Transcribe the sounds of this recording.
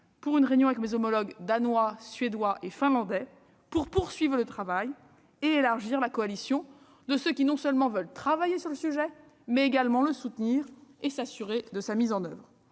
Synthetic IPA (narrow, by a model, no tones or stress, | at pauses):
puʁynʁenjɔ̃avɛkmezomɔlɔɡd̪anwasɥed̪waʔefɛ̃lɑ̃d̪ɛ | puʁpuʁsɥivʁələt̪χavaj | eelaʁʒiʁlakɔalisjɔ̃ | d̪əsøkʲinɔ̃sœlmɑ̃vœlt̪χavajesyʁləsyʒɛ | mɛeɡalmɑ̃ləsut̪niːʁesasyʁed̪əsamizɑ̃nœvʁ